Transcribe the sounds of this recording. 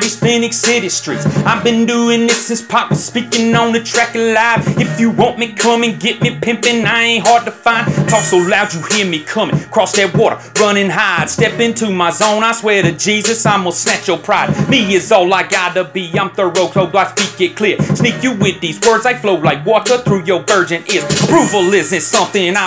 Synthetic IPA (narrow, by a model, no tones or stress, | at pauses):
ðiz̥fɪ̃nɨksɪɾistɹ̥ḭtsaɪvbɨ̃nduɪ̃ŋðɪtsɪspʰɑt̚wɨ̥spikɪ̃ŋnõʊ̃nɨtʰɹ̥ækɨlaɪv̥ɨfjɨwõʊ̃nmikʰʌ̃mɪ̃ŋɡɛt̚mipʰɪ̃mpɪ̃ŋaɪɪẽnɦɑɹd̚tɨfãɪ̃ntʰɔksoʊlaʊd͡ʒɨhiɹmikʰʌmɪ̃ŋkʰɹ̥ɔsðə˞wɔɾə̰˞ɹʌ̃ñɪ̃ŋɦaɪd̥stɛpɪ̃ntʰʉmaɪzõʊ̃naɪswɛɹɾɨd͡ʒizɨsãɪ̃mwəlˠsnæt͡ʃəpʰɹ̥aɪd̚miɪzɔlaɪkaɪɾɨbiãɪ̃mθə˞ɹoʊk̚t̚ʰhoʊaɪspik̚ɡ̥ɛt̚kʰl̥ɪɹsnikjɨwɪðizwɜ˞dzaɪfloʊlaɪkwɔɾə˞θɹʉjə˞vɜ˞d͡ʒɨ̃nɪsəpʰɹ̥uvəɪznɨsʌ̃mθɪ̃ŋɨ̃na